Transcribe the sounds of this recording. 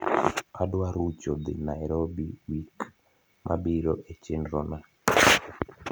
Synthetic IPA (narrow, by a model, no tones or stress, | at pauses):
adwaɾut͡ʃɔd̪ɪnajɾobiwik | mʔa̰biɾɔʔet͡ʃenɾɔna